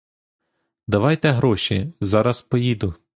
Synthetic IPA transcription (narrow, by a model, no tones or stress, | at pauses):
d̪ɐʋɑjt̪ɛɦɾɔʃizɑɾɐspɔjid̪ʊ